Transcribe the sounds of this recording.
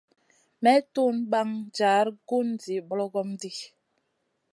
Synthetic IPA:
mɛ˦tu˦nɓa˦ŋd͡ʒaː˨˦ɾɡu˦nd͡zi˨bɔ˦lɔ˦ɡɔ˦mdi˦

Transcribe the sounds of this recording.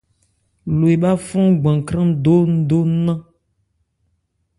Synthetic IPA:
lo˨e˨ɓa˦fɔ̃˦ɡ͡bã˨kɾã˦do˦n̩˦do˦nã˦

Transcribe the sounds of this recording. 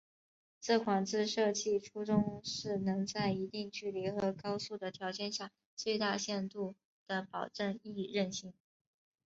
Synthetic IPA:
t͡s̩˥˩kʰwa˨˩ŋt͡sɹ̩˥˧ʂɤ˥˧t͡ɕi˥˩ʈ͡ʂʰu˥ʈ͡ʂʊ˥ŋʂɻ̩˥˩nɤ˧˥ŋt͡sa˥˩ɪi˧˥t̪i˥˧ŋt͡ɕy˥˩li˧˥xɤ˧˥kɑ˥ʊsu˥˩d̪ə˩t̪ʰjɑ˧˥ʊt͡ɕjɛ˥˧nɕja˥˩ | t͡swe˥˧ɪt̪a˥˧ɕjɛ˥˧nt̪u˥˩ | d̪̥ə˩pɑ˨˩ʊʈ͡ʂə˥˧ni˥˩˧ɻə˥˧nɕi˥˩ŋ

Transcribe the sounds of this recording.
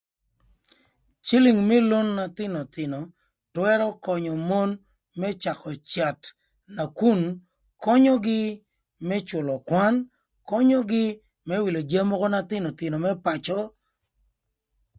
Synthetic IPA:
t͡ʃi˦li˨ŋmɛ˦lo˦nːa˨t̪ɪ˦nɔ˨t̪ɪ˨nɔ˨ | twɛ˦ɾɔ˦kɔ˨ɲɔ˨mo˦n | mɛ˦t͡ʃa˨kɔ˨t͡ʃa˨t | na˨ku˦˨n | kɔ˦ɲɔ˦ɡɪ˦ | mɛ˦t͡ʃʊ˨lɔ˨kwa˦n | kɔ˦ɲɔ˦ɡɪ˦ | mɛ˦wi˨lo˨d͡ʒa˦mɔ˦kɔ˦na˦t̪ɪ˦no˨t̪ɪ˨no˨mɛ˦pa˨t͡ʃɔ˦

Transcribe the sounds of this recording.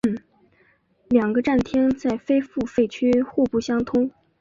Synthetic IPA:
ljɑ˨˩ŋɡə˧˦ʈ͡ʂa˥˩nt̪ʰjɛ˥nt͡sa˥˩ɪfe˥ɪfu˥˧fe˥˩ɪt͡ɕʰy˥xu˥˧pu˥˩ɕjɑ˥ŋt̪ʰʊ˥ŋ

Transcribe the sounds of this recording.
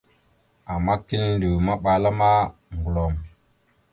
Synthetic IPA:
a˨mːa˦ki˦n˦di˨wma˦ɓa˨la˦ma˦ŋɡu˨lo˨m

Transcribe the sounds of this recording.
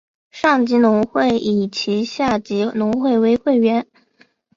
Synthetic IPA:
ʂɑ˥˩ŋt͡ɕi˧˥nʊ˧˥ŋxwe˥˩ɪʔi˨˩t͡ɕʰi˧˥ɕja˥˩t͡ɕi˧˥nʊ˧˥ŋxwe˥˩ɪwe˥ɪxwe˥˩ɪɥɛ˧˥n

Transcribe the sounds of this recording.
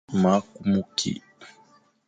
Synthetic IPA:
ma˨˦ku˦mu˦kʰḭ˨

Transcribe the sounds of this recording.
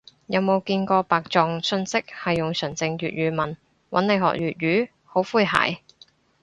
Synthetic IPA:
jɐ˨˧wmo˨˧wkiː˧nkɔː˧paː˨k̚t͡ʃɔː˨˩ŋsɵ˧nsɪ˥k̚hɐ˨jːʊ˨ŋsɵ˨˩ŋt͡sɪ˧ŋɥyː˨t̚ɥyː˨˧mɐ˨˩n | wɐ˨˥nle˨˧jɦɔ̰˨k̚jɥyː˨t̚ɥyː˨˥ | ho˨˥wfuː˥jɦa̰ː˨˩j

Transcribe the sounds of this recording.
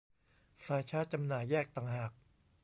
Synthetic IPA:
saː˧jt͡ɕʰaː˦˥˩t̪̚t͡ɕa˧mnaː˨˩jːɛː˥˩k̚t̪aː˨˩ŋɦaː˨˩k̚

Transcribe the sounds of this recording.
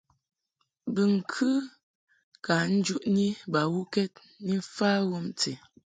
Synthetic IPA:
bɨ˨ŋ̩˨kʰɨ˦ | ka˨n̩˦d͡ʒu˦ʔni˦ba˨wu˦kɛ˦t̚ | ni˦m̩˦faː˦wo˦mt͡se˨

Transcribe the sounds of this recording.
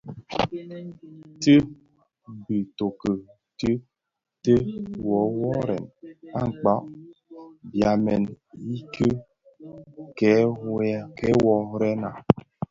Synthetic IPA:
te˦ | bi˨to˨kə˨ | tə˦ | te˦wɔ˨˦wɔ˦ɾɛ̰˨na˦˨ŋ͡m̩˨k͡pa˦ʔ | bja˨mɛ˨n | i˦ke˦ | kɛ˨˦ | kɛ˦wɔ˨ɾɛ˦na̰˨

